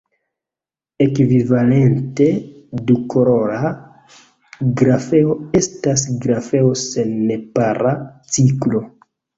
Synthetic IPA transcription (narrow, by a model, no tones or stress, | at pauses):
e̞kvivale̞nte̞dukoɾo̞ɾa | ɡɾafe̞oe̞stas̬ɡɾafe̞o̞se̞nːe̞paɾat͡siklo̞